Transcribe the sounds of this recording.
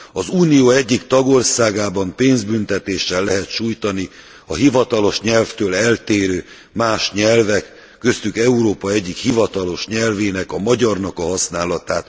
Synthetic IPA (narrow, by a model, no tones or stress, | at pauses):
ɒzuːnijoːɛɟːikt̪ɒɡo̞rsaːɡaːbɒmpeːnzbynt̪ɛt̪eːʃːɛlːɛɦɛt̪ʃuːjt̪ɒni | ɒɦivɒt̪ɒlo̞ʃɲɛlft̪øːlɛlt̪eːɾøː | maːʃɲɛlvɛkː | ø̞st̪ykɛuɾoːpɒɛɟːikhivɒt̪ɒlo̞ʃɲɛlveːnɛkɒmɒɟɒrnɒkɒɦɒsnaːlɒt̪aːt̪